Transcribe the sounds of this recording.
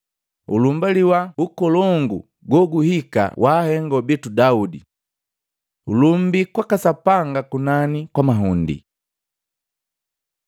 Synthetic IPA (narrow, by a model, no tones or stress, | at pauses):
ṵlumbaliwaukɔlɔŋɡu | ɡwɔɡuhika̰wʔaːhɛŋɡɔbɛtudaudḭ | ṵlum̩bikwakasapaŋɡakunanikwamaɦundḭ